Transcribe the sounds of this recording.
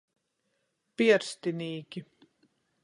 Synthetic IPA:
piɛɾst̪iniːkʲi

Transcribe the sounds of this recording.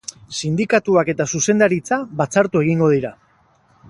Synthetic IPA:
sind̪ikat̪uake̞t̪asuse̞nd̪aɾit͡saβat͡saɾt̪ue̞ɣiŋɡo̞ð̞iɾa

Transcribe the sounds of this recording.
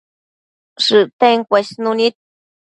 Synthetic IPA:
ʂɨt̪aŋkʷasnunit̪̚

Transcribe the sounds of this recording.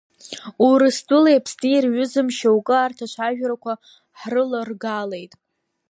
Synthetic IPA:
uɾɨsdʼʊlejpʰsniirɥʊzɨmʃawkʼɨaːrtʰaʃʷʰaʒᶣɾakʷʰa | ħrɨlarɡalejtʼ

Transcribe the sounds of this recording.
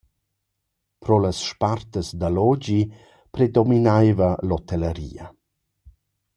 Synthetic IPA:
pɾɔləsʃpart̪əsd̪alɔd͡ʑi | pɾed̪ɔminajvəlɔt̪ɛləɾḭːa

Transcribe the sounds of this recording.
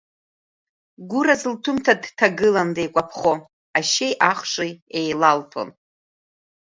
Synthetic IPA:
ɡʷʊɾazɨltʰʊmtʰadtʰaɡɨlandejkʷʼapʰχo | aʃe̞jʔaχʂiejlaltʰo̰n

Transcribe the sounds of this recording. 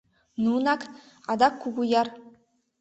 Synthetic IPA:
nunɑk | ɑd̪ɑkːuɡujɑr

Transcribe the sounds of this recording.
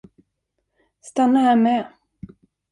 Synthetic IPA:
st̪anːahæːɾmɛː

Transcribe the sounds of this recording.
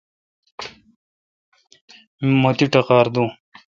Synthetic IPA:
mmot̪iʈɐqaːɾd̪u

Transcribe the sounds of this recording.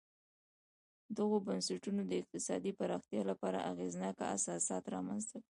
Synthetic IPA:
d̪əɣobansaʈunod̪əɪq̚t̪ɪsɑd̪ipaɾɑxt̪jɑlapɑɾa̰ʔaɣeznɑka̰a̰sɑsɑt̪ɾɑmanzt̪aki

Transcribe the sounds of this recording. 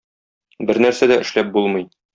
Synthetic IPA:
bɘɾnæɾsæd̪æʔɘ̆ʃlæp̚bulˠmɤ̆j

